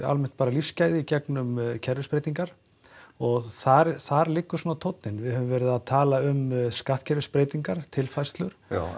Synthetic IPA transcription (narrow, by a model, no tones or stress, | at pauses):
a̰lmɛn̥t̪̚paːɾalifscaːjðɪicɛknʏmcʰɛɾvɪspɾejt̪iŋkaɾ̥ | ɔɣθaɾθaɾlɪkːʏsuːnat̪ʰowt̪nɪnvɪðhœvʏmvɛːɾɪðaðt̪ʰaːlaʏmskaht̪̚cʰɛɾvɪspɾeːjt̪iŋkaɾ̥t̪ʰɪlfajst̪lʏɾ̥